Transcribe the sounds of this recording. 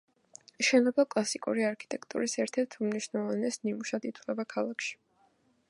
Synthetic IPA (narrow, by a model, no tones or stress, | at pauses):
ʃɛnɔbɛkʼlˠasikʼṵɾiaɾkʰi̥t̪ʼɛkʰt̪ʼṵɾisɛɾt̪ʰɛɾt̪ʰmniʃnɛlˠɔvanɛsnimuʃad̪it̪ʰwlɛbakʰalˠakʰʃi̥